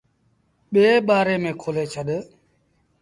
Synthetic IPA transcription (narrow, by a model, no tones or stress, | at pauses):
ɓeːɓaːɾeːmẽːkʰoːleːt͡ʃʰəɗ